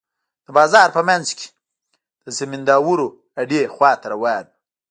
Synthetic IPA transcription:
d̪̥əbɑːzɑɾpəmanzke̥ | d̪̥əsemɪnd̪ɑːwuɾo | aɖexwɑːt̪aɾawɑn

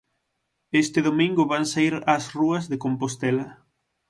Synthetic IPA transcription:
est̪ɪðomĩŋɡʊβaŋsaiɾɐsruɐzðekompost̪ɛlɐ

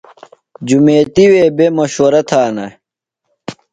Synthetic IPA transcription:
d͡ʑumeːt̪iweːbemɐɕoːɾɐt̪ʰaːnɐ

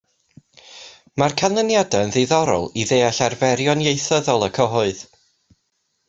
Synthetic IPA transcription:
markʰanlˠənjadaənðiðɔɾɔ̰lˠiðeːaɬarvɛɾjɔnjejθəðɔlˠəkʰɔɦʊɨð

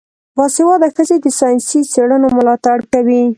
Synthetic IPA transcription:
bɑsewɑd̪axəzed̪əsɑjnsiseɽənomʊlɑt̪aɽkawi

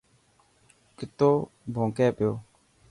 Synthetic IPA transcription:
kɪt̪oː | bʱõːkɛːpɪjoː

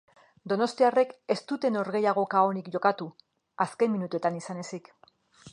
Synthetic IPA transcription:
d̪o̞no̞st̪iare̞ke̞st̪ut̪e̞no̞ɾɣe̞jaɣ̞o̞kao̞nikʝo̞kat̪u | aske̞nmːinut̪ue̞t̪anisane̞sik

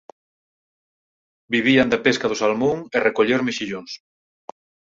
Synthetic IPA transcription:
biβiand̪apeskaðʊsalmuŋerekoʎeɾmeʃiʎoŋs

